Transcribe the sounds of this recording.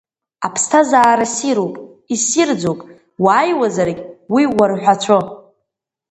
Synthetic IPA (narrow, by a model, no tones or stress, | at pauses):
apʰstʰazaːɾasiɾopʼ | isird͡zowpʼ | waːjwazaɾkʲʼwiwarħʷᶣat͡ɕʷʰo